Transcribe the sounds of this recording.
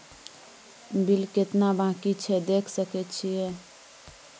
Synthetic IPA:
bilket̪nabãkit͡ʃʰɛd̪ekʰsəkɛt͡ʃʰijɛ

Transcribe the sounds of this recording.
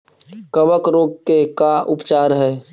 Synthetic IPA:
kəʋəkɾoːɡ̚kekaʔʊpt͡ʃaːɾɦɛː

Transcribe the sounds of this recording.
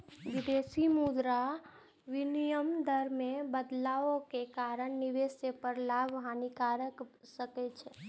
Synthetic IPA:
ʋɪd̪eːsimud̪ɾa | ʋɪnijəmd̪əɾmẽbəd̪laːõkekaːɾəɳnɪʋeːsepəɾlaːbʱɦanikaːɾək | səket͡ʃʰɛː

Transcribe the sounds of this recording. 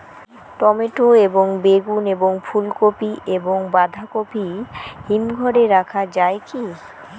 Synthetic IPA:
ʈɔmeʈoeboŋbeɡuneboŋfʰulkopiʔeboŋbad̪ʱakopiɦinɡʱɔɾeɾakʰad͡ʑaeki

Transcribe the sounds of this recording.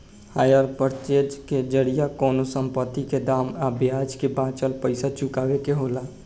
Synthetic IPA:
haːjəɾpəɾt͡ʃeːd͡ʒked͡ʒəɽijakɔːnosə̃mpət̪ːiked̪aːmaːbjaːd͡ʒkebãːt͡ʃəlpəɪsat͡ʃʊkaːʋekeɦoːlaː

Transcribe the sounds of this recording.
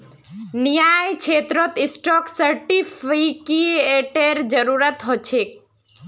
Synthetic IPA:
nijajt͡ʃʰet̪ɾɔt̪isʈɔksəɾʈipʰikieʈeɾd͡ʒəɾuɾət̪ɦot͡ʃʰek̚

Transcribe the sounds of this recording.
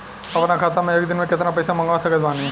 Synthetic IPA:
ɐpnakʰaːt̪amɛ̃eːk̚d̪ɪnmẽkɪt̪napɛːsamɐ̃ŋɡaːsɐkəd͡ʒbaːneɛ̃

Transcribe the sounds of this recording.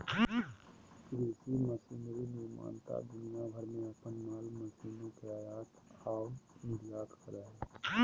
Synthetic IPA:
ɾesiməsinɾiniɾma̰ːnt̪a̰d̪ʊnijabʱəɾmẽəpənmaːlməsiːnõkeajaːt̪aːʊnɪɾjaːk̪kəɾəɦɛ

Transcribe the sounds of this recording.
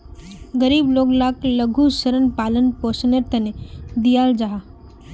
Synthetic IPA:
ɡəɾiːbloːɡlaːkləɡʱusəɾənpaːlənpoːsneɾt̪ɐned̪ijaːld͡ʒaɦaː

